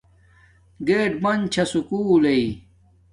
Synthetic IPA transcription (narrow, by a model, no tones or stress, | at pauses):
ɡeːʈbɐnt͡ɕʰɐsukuːlei